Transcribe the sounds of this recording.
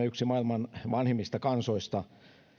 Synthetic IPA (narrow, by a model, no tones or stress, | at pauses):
eyksimɑilmɑnʋɑnhemːist̪ɑkɑnsoist̪ɑ